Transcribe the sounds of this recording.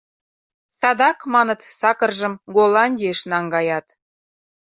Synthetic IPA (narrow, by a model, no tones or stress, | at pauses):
sɑd̪ɑkmɑnə̆t̪sɑkə̆rʒə̆mɡolˠɑnʲdʲieʃnɑŋɡɑjɑt̪